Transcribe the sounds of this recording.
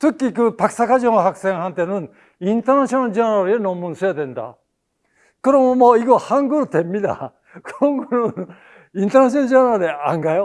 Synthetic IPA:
t̪ʰɯk͈ːik̬ɯpak̚s͈akad͡ʑoŋahak̚s͈e̞ŋhant̪ʰe̞nɯn | int̪ʰanaɕʰonaɭd͡ʑanaɾɯe̞nomːɯnsʰɯjad̪e̞nd̪a̰ | kɯɾomomoiɡohaŋɡɯɾot̪e̞mːid̪a̰ | kʰoŋɡonɯn | int̪ʰanaɕ̬ʰionad͡ʑanaɾɯdeaŋɡajo

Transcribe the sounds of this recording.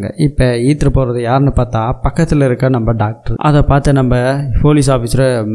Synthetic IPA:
ŋɡɐ̰ʔɪpːɐiːt̪ːɪɾɐpoːɾɐðɯjaːɾɛnːɯpaːɾt̪ãːpɐkːɐt̪ːɪlɪɾɯkːɐnɐmbɐɖaːk̚ʈɐɾʔɐ̰ðɐpaːɾt̪ɐnɐmbɐpoːlɪsaːfisɪɾɐ

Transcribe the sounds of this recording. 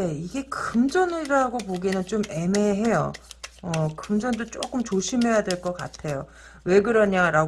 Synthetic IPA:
ne̞iɡe̞kɯmd͡ʑʌnɯɾaɡopoɡinɯnt͡ɕome̞me̞ɦe̞jo̰ʌkɯmd͡ʑʌndot͡ɕ͈ok͈ɯmt͡ɕoɕʰimɦe̞jadwe̞ɭk͈ʌk͈a̰tʰe̞jo | we̞ɡɯɾʌɲaɾaɡ

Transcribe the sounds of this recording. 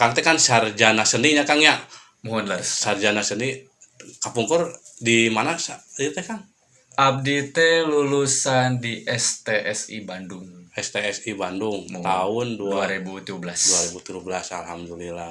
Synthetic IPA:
kant̪ɛkansard͡ʒanasəniɲakanjaʔ | muɦɔnlarsard͡ʒanasəni | kapuŋkurdimanasait̪ɛkan | ʔap̚dit̪ɛlulusandiʔɛst̪eʔɛsḭbandʊŋɛst̪eɛsibanduŋt̪aʊnduduaɾebut̪uubəlasduaɾibut̪ud͡ʒubəlasalhamdulila

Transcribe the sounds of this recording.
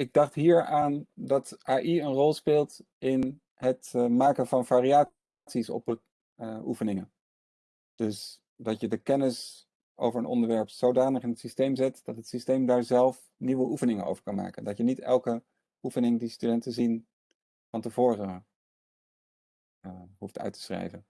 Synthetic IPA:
ɪɡ̚dɑχtɦiːɹaːndɑtʔaːʔiənrɔlˠspɪːlˠt | ɪn | ɦətmaːkənvɑnvaːriaː | tsisɔ̰p | ʔufənɪŋən | d̥ɵs | dɑtjədəkɛnəs | ʔo̰wvəɹənɔ̰ndəɹʋɛɹpsowdaːnəχɪnɦətsistejmzɛtd̥ɑtɦətsistejmdaːɹzɛlˠf | niʋəʔufənɪŋəno̰wvəɹkɑnma̰ːkəndɑtjənitɛ̰lˠkə | ufənɪŋdistydɛntəzin | fɑntəvʊːrə | ɦuftœ̰ɥtə̥srḛjvən

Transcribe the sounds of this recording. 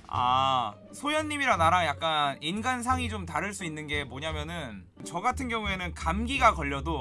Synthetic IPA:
a̰ | sʰojʌnːimiɾanaɾaŋjak̚k͈aninɡansʰaŋid͡ʑomtaɾɯɭs͈uinːɯnɡe̞moɲamjʌnɯn | t͡ɕʌɡatʰɯnɡjʌŋue̞nɯnkamɡiɡakʌʎːʌdo

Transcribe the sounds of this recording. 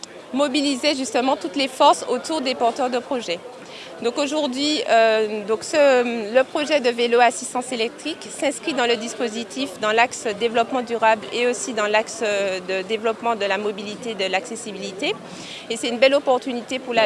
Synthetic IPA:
mɔbilizeʒyst̪əmɑ̃t̪ut̪lefɔʁsot̪uʁd̪epɔʁt̪œʁd̪əpχɔʒɛ | d̪ɔ̃koʒuʁd̪ɥiød̪ɔ̃ksələpχɔʒɛd̪əveloasist̪ɑ̃selɛk̚t̪χiksɛ̃skχid̪ɑ̃ləd̪ispozit̪ʰifd̪ɑ̃laksd̪evlɔpmɑ̃d̪yʁableosid̪ɑ̃laksd̪əd̪evlɔpmɑ̃d̪əlamɔbilit̪ed̪əlaksesibilit̪e | esɛt̪ynbɛlɔpɔʁt̪ynit̪epuʁla

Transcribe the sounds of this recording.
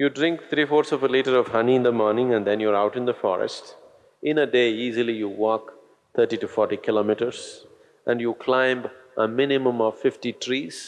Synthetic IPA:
juɖɾɪ̃ŋk̚t̪ʰɾiːfoːɾsɔvəliːʈəɾɔʋhʌniɪ̃nd̪əmɔːɾnɪ̃ŋæ̃nd̪ɛ̃njuːɾaʊʈɪ̃nd̪əfɔ̰ɾɛ̰sʈ | ʔɪ̃nəɖeːiːzilijuwɔːk | t̪ʰəɾʈiʈufɔːɾʈikɪloːmiʈəɾz | ʔæ̃nɖjukʰlãɪ̃mbʔəmɪ̃nɪmə̃mɔʋfɪfʈiʈʰɾiːz̥

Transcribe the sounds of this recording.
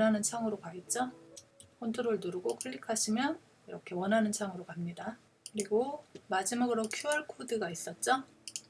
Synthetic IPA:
ʌnɦanɯnsʰaŋɯɾokaɡit̚t͡ɕ͈o | kʰontʰuɾɯɭnuɾɯɡokʰɯʎːikʰaɕʰimjʌn | iɾʌkʰe̞wʌnɦanɯnsʰaŋɯɾokamɲida | kɯɾiɡomad͡ʑimaɡɯɾokʰjuaɭkʰodɯɡais͈ʌt̚t͡ɕ͈o

